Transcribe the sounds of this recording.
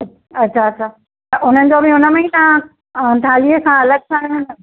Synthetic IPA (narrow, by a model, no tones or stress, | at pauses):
ɐtːɕʰaɐɕʰaː | ɐʔʊn̤ənɪ̆d͡ʑoːbʱɪʊnə̆mẽĩt̪ã | t̪ʰãːliəkʰãɐləɡ̚sã